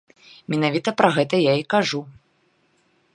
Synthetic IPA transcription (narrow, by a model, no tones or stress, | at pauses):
mʲɛnavʲit̪ɐpɾɐɣɛt̪ɐjaikaʐu